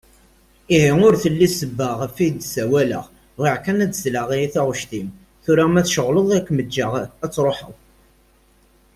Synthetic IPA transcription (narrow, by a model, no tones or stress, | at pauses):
iɦɪŋʊɾθəlːisəbːəʁfid̪sæwælə̰ʁ | ʁiʕkænædəzləʁiiθaʁʊʃt̪im | θʊɾamæθʃəʁləðˤækʷːməd͡ʒːəʁæt͡sːɾˤoħə̰w